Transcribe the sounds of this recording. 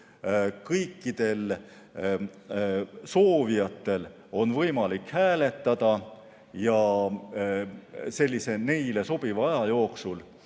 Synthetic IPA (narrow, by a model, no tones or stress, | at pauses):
kɤjkːˑid̪̥e̞l | so̞ːvijɑt̪ːˑe̞l | o̞nvɤjmɑlikhæːle̞t̪ːˑɑd̪̥ɑ | jɑ | se̞lʲːise̞ne̞jle̞so̞b̥ivɑjɑjo̞ːksul